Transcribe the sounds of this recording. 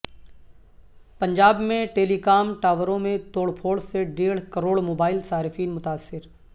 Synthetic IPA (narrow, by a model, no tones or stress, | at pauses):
pɐ̃ɲd͡ʒaːbmẽʈeːlikaːmʈaːʋəɾõmẽt̪oːɽpʰoːɽseɖeːɽ̤kəɾoːɽmoːbaːɪlsaːɾɪfiːnmʊt̪aːsːɪɾ